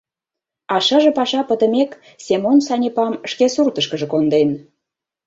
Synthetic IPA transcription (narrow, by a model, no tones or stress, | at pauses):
ɑʃə̆ʒə̆pɑʃɑpə̆t̪ə̆mek | sʲemonsɑnʲepɑmʃkesurt̪ə̆ʃkə̆ʒə̆kond̪en